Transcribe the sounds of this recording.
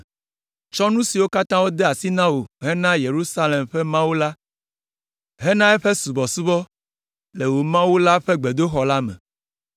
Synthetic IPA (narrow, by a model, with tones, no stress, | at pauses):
t͡ʃɔ˦nũ˦si˨wo˦ka˦t̪ã˦wo˦d̪ɛ˦a˨si˦nã˦wo˨ɦɛ˦nã˦je˨ɾu˦sa˦le˨mɸɛ˦mã˦wu˦la˦ | ɦɛ˦nã˦e˦ɸe˦su˨bɔ˨su˦bɔ˦ | le˨wo˨mã˦wu˦la˦ɸɛ˦ɡ͡be˨d̪o˦xɔ˨la˦mɛ̰̃˨